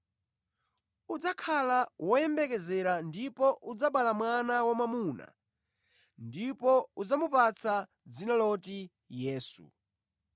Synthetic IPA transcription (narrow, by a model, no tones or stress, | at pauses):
ud͡zakʰalawʔɔjɛmbɛk̬ɛzɛɾandipɔʔud͡zaɓalamwanawamamuːna̰ | ndipɔud͡zamupat͡sʰa | d͡zinalɔti | jɛːsṵ